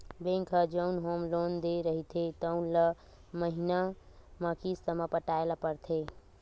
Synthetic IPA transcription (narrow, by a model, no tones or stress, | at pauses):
bẽŋkʰəd͡ʒəʊnɦomlond̪eɾəɦit̪ʰet̪əʊnlə | məɦinaməkisəməpəʈaelapəɾt̪ʰe